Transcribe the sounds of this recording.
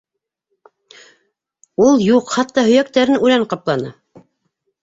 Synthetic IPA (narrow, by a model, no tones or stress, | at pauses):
ulˠjuqχɑt̪ːɑhɵ̆jæk̚t̪æɾɘnʉlæɴqɑplˠɑnɤ̰